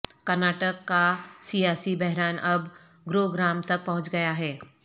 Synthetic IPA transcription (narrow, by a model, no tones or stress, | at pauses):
kɐɾnaːʈəkːasijaːsibɛɦɾaːnʔɐb | ɡɾoːɡɾaːmt̪ɐk̚pɐɦʊ̃t͡ʃɡɐjaɦɛː